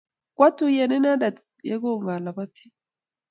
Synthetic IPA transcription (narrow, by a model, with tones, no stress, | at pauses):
kwa˦t̪u˦˨je˨ni˦na˦da˨t | jḛ˦ɡo˦˨ŋɡa˨la˨ba˦t̪i̥˦